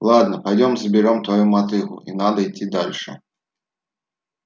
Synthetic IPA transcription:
lˠad̪nɐpajdʲɔmzbʲɪɾɔmt̪vajumat̪ɨɣʊ̰inad̪ɐit͡sʲːid̪alʲʂɛ̰

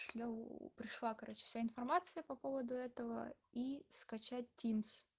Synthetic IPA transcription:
ʂlʲopɾʲɪʂlˠakɐɾot͡ɕɪ̥fsʲaɪnfɐrmat̪sɨjəpɐpovəd̪ʊɛt̪əvə̰iskɐt͡ɕæt̚ʲtʲːims

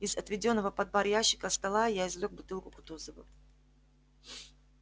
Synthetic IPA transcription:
izɐt̪vʲɪdʲo̞nːəvəpɐd̪̚baɾjaɕːɪ̥kəst̪ɐlˠajaɪzvlʲok̚bʊt̪ɨlˠkʊkʊ̥t̪uzəvə

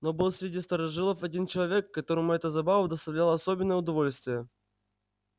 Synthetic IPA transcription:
nobɨlˠsʲɾʲɪdʲist̪əɾɐʐɨlˠəfɐdʲint͡ɕɪlˠɐvʲekːɐt̪o̞ɾəmʊɛt̪əzɐbavəd̪əst̪ɐvlʲalˠɐsobʲɪnːəjəʊd̪ɐvo̞lʲsʲt̪vʲɪjə

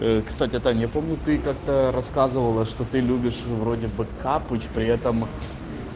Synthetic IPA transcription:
əkst̪atʲɪɛt̪anʲjapo̞mnʲʊt̪ɨkakt̪əɾɐskazɨvəlˠəʂt̪ot̪ɨlʲubʲɪʂvɾo̞dʲɪbɨkʰapʊt͡ɕpɾʲɪɛt̪əm

